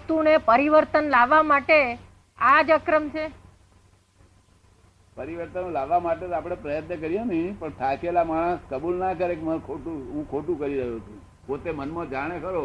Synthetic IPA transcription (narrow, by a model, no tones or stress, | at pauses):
t̪unepəɾiʋəɾt̪ənlaʋːamaʈe | ad͡ʒəkɾəmt͡ʃʰe | pəɾiʋəɾt̪ənlaʋːamaʈet̪ap̬ɽ̃epɾəjət̪nəkəɾijonĩpəɳt̪ʰakelamaɽ̃ə̃skəbulnakəɾekemə̃kʰoʈuɦũkʰoʈũkəɾiɾəɦut̪ũ | pot̪emənmãd͡ʒaɽ̃ekəɾo